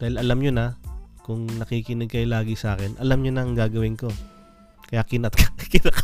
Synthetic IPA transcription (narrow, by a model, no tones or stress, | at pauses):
d̪aːhɪlɐlamɲonɐkʊŋnɐkikɪnɛɡ̚kɐjlaːɡɪsɐʔaːkɛnʔɐlamɲonɐɐŋɡaːɡɐwɪnko̞ | kɐjaːkɪnɐt̪kɪnɐk